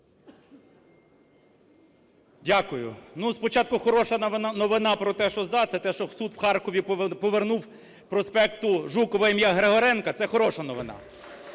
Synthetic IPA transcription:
dʲakʊjʊ̰nuspɔt͡ʃɑt̪̚kʊxɔɾɔʃɐnʋnnɔʋɪnɑpɾɔt̪ɛʃɔzɑt̪sɛt̪ɛʃɔsud̪wxɑrkɔʋʲipɔʋernuw | pɾɔspɛkt̪ʊʒukɔʋɐimʲjaɦɾeɦɔɾɛnkɐt̪sɛxɔɾɔʃɐnɔʋɪnɑ̰

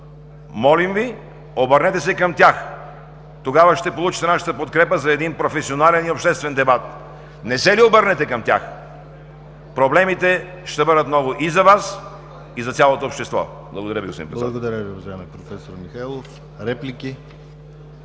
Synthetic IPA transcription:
mɔlimvi | obəɾnɛt̪ɛsɛkɐmt̪ʲax | t̪oɡavəʃt̪ɛpolˠut͡ʃit̪ɛnaʃə̥t̪əpot̪̚kɾɛpəzɐɛd̪inpɾofɛsionalɛniopʃt̪ɛst̪vɛnd̪ɛbat̪ | nɛsɛliobəɾnɛt̪ɛkɐmt̪ʲa̰x | pɾoblɛmit̪ɛ | ʃt̪ɛbɤd̪ət̪nɔvoʔizɐvas | izɐt̪sʲjalˠot̪oːpʃt̪ɛst̪vɔ̰ | blˠɐɡod̪ɐɾəviɡosḭmpɾɛb̪lˠɐɡod̪ɐɾʲjəviʊvɐʒaɛmɛpɾofɛsoɾmixajlˠof | ɾɛplikʲi

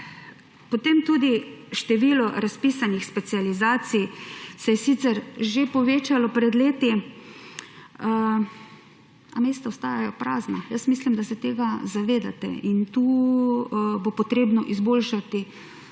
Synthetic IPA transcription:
pot̪emt̪uːd̪iʃt̪ɛʋiːlɔɾaspiːsanixspɛt̪sializaːsijsɛjɛsit̪sɛɾʒepɔʋeːt͡ʃalɔpɾɛd̪leːt̪i | ameːst̪aost̪aːjajɔpɾaːznajəsmislimd̪asɛt̪eːɡazaʋeːd̪a̰t̪ɛ̰int̪uː | bopot̪ɾeːbnɔʔizboːlʃat̪i

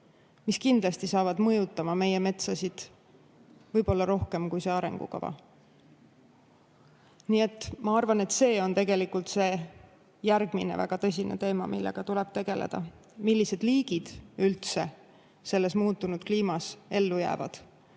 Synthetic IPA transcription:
miskind̪lɑst̪isɑːvɑd̪mɤ̞jut̪ːˑɑmɑme̞jeme̞t̪sɑsid̪̥ | vɤjb̥o̞lːɑɾo̞hke̞mkujse̞ɑɾe̞̰ŋɡ̥ṵkɑ̰vɑ̰ | niːe̞t̪ːmɑɑrvɑne̞t̪se̞ːo̞nt̪e̞ɡ̥e̞likult̪se̞ː | jærɡ̥minḛvæ̰ɡ̥ɑt̪ɤ̞s̬ʲinḛt̪e̞ːmɑmilːḛɡ̥ɑt̪ule̞b̥t̪e̞ɡ̥e̞lḛd̪̥ɑ̰ | milːise̞d̪̥liːɡ̥id̪̥ylt̪se̞ | se̞lːe̞smuːt̪ːˑunud̪̥kliːmɑse̞lːujæ̰ːvɑ̰d̪̥

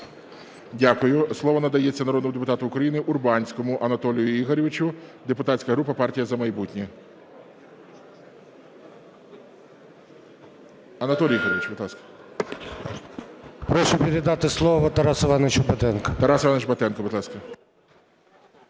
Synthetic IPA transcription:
dʲakʊjʊslˠɔʋɔnɐd̪ɐjet͡sʲːɐnɐɾɔd̪nɔmʊd̪ep̬ʊt̪ɑt̪ʊːkɾɐjinɪʔʊrbɑnʲsʲkɔmʊʔɐnɐt̪ɔlʲijʊiɦɔɾʲɪʋɪt͡ʃʲʊd̪epʊt̪ɑtʲsʲkɐɦɾupɐpɑrtʲijɐzɐmɐjbutʲnʲɛ | ɐnɐt̪ɔlʲiiɦɔɾʲɪʋɪt͡ʃbɪd̪lˠɑskɐ̥ | pɾɔʃʊpʲeɾʲɪd̪ɑt̪ɪslˠɔʋɔt̪ɐɾɑsɪʋɑnet͡ʃʊbɐt̪ɛnkɐt̪ɐɾɑsɪʋɑnːet͡ʃbɐt̪ɛnkɔbɪd̪lˠɑskɐ

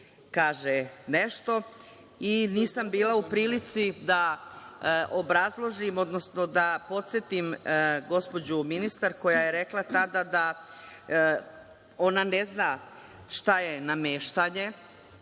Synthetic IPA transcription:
kaːʒeneʃt̪o̞ | iniːsambiːlaupɾiːlit̪sid̪a | ʔobɾazlˠo̞ʒimo̞d̪no̞sno̞d̪apo̞t̪set̪imɡo̞spo̞d͡ʑuminist̪aɾko̞jaje̞ɾe̞klˠat̪ad̪ad̪a | o̞naneznaː | ʃt̪ajenameːʃt̪aɲe̞

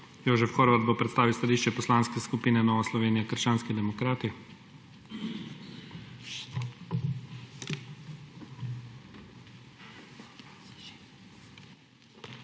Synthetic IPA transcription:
joːʒɛfxoːɾʋad̪bopɾɛt̪st̪aːʋiwst̪aliːʃt͡ʃɛpɔslaːnskɛskupiːnɛnɔːʋaslɔʋeːnijakəɾʃt͡ʃaːnskid̪ɛmɔkɾaːt̪i

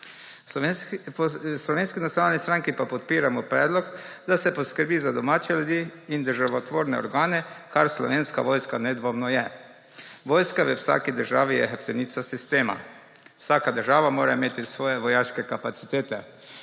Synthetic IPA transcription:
pslɔʋeːnskinat̪sʲjonaːlnist̪ɾaŋkipapɔt̪̚piːɾamɔpɾɛːd̪lɔkd̪asɛpɔskəɾbiːzad̪ɔmaːt͡ʃɛljud̪jiːnd̪əɾʒaʋɔt̪ʋoːɾnɛ̰ɔ̰ɾɡaːnɛkʰaɾslɔ̰ʋeːnska̰ʋojskanɛd̪ʋoːmnɔjɛ | ʋoːjskaʋəwsa̰ːkid̪əɾʒaːʋiɛxɛp̚t̪ɛniːt̪sasist̪eːma̰ | wsaːkad̪əɾʒaːʋamoːɾaimeːt̪isʋɔːjɛʋɔjaʃkɛkapat̪si̥t̪eːt̪ɛ

